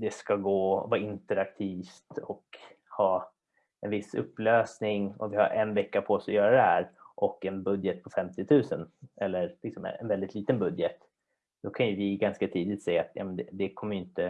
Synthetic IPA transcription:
d̪ɛskaɡoːvɑːɾɪnt̪əɾak̚t̪ʰiːft̪ɔk | hɑː | ɛnvɪsːɵ̰pːløːsnɪŋɔ̰vɪha̰ɾʔɛnvɛkːapʰɔsɔjœːɾad̪ɛhæːɾʔɔkːɛnbɵd̪jət̪̚pʰɔfɛmt̪ɪt̪ʰʉ̟ːsənɛlːəɾlɪksɔmɛ̰ɛnvɛld̪ɪt̪liːt̪ənbɵd̪jət̪ | d̪̥ɔkʰanjɵvɪɡanskat̪ʰiːd̪ɪt̪sɛjːaːt̪jɑ̰ːmɛnd̪ɛd̪ɛkʰɔmːəjʏɪnt̪ə

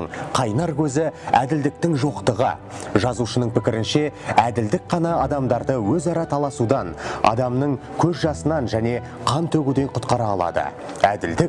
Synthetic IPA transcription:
ɴqʰɑjnɑɾkʲʰɵzɪæd̪ɪld̪ɪk̚t̪ɪŋʒo̞qt̪əʁə̰ | ʒɑzuʃənəɴpɪkʲɪɾɪnʃe̞æd̪ɪld̪ɪk̚qɑnɑɑd̪ɑmd̪ɑɾd̪əwɵzɑɾɑt̪ʰɑlˠɑsud̪ɑnɑ̰d̪ɑmnəɴ | kʲʰɵzʒɑsənɑnʒæne̞ | qʰɑnt̪ʰɵɡʲud̪e̞ɴqʰʊt̪qɑɾɑːlˠɑ̰d̪ə̰ | æd̪ɪld̪ɪk̚

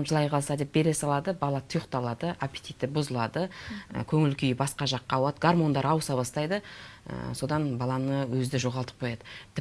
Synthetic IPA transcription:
mʒəlˠɑjqʰɑlˠsɑd̪e̞p̚be̞ɾe̞sɑlˠɑd̪əbɑlˠɑt̪ʰʊjəqt̪ɑlˠɑd̪əʔapʲe̥t̪ʲijt̪ːɪbʊzəlˠɑd̪əə̰kʲʰɵŋɪlkʲʰijɪbɑsqɑʒɑqːɑːwɑd̪əɡarmo̞nd̪ɑɾɑwsɑbɑst̪ɑjd̪əə̰so̞d̪ɑnbɑlˠɑnəwɵzd̪ɪʒo̞ʁɑlˠt̪ə̥p̚qʰojɑd̪ət̪ʰɪ

